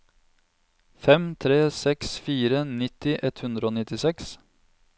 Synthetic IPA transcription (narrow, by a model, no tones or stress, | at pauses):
fɛmt̪ʰɾeːsɛksfiːɾənɪt̪ɪʔɛt̪hʉnd̪ɾəoːnɪt̪ɪsɛks